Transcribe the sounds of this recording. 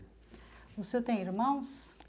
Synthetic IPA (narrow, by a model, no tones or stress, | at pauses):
ʊsewt̪ẽj̃iɾmɐ̃w̃s